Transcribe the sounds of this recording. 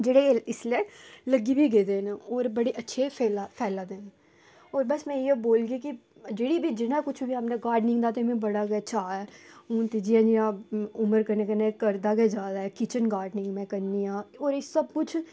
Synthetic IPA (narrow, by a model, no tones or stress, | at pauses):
d͡ʒeːɽeːɪsleːləɡiːbiːɡeːd̪eːnoːɾbəɽeːʔətːʃʰeːpɛːlapʰɛːlaːd̪eːn | oːɾbəsmɛ̃ːjeboːlɡiːkɪ | d͡ʒeːɽiːbiːd͡ʒɪnãːkʊt͡ʃʰbiːaːmnaːɡaːɾɖnɪŋɡd̪aːt̪emẽːbəɽaːɡətːʃʰaɛːʊnt̪ɪd͡ʒiːãːd͡ʒiãːʊməɾkəneːkəneːkəɾd̪aːɡɛːd͡ʒaːd̪aːɛːkɪt͡ʃənɡaːɾɖnɪ̃ŋɡmɛ̃ːkəniːãːoːɾsəb̚kʊt͡ʃʰ